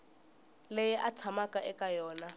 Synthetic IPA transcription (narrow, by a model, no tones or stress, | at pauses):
lejɛʔat͡sʰamakʼaʔɛkajɔːna